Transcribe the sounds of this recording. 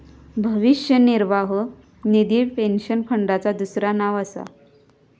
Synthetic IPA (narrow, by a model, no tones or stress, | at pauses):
bʱəʋiɕjəniɾʋaɦo | nid̪iːpenɕənpʰəɳɖat͡sad̪usɾanaʋəsa̰